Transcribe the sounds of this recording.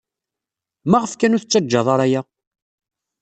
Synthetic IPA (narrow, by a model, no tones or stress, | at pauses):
mæʁəfkænuθət͡sːæd͡ʒːɑðˤɑɾˤæjæ